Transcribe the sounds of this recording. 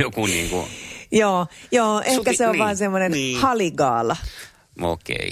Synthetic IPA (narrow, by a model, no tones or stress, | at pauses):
jokuniːŋkṵjoːjoːʔehkæseoʋʋɑːnsemːonenhɑliɡɑːlɑ | o̰kḛi